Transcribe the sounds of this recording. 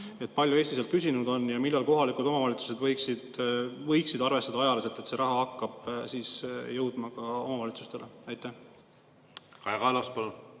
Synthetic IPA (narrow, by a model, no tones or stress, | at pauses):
e̞t̪̚ːˑpɑlʲjue̞ːsʲt̪ise̞lt̪kysʲinud̪o̞njɑmilːɑlko̞ɦɑlikult̪o̞mɑvɑlʲit̪su̥sed̪vɤjksid̪vɤjksid̪ɑrve̞st̪ɑd̪ɑɑjɑleset̪ːˑet̪se̞ɾɑɦɑɑkːɑb̥siːsjɤwd̪̥mɑkɑo̞mɑvɑlit̪su̥st̪e̞leɑjt̪ːˑæh | kɑjɡɑlɑspɑno